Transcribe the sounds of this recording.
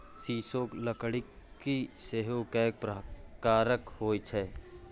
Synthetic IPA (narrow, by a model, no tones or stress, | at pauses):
siːsoːkləkɽɪkːiseɦokɛːk̚pɾəkaːɾəkhoːit͡ʃʰɛː